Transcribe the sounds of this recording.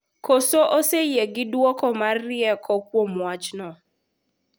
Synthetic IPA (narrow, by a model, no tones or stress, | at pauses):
kosoʔosejeɡɪdwɔkɔmarːɪɛkʰɔkwomwat͡ʃnɔ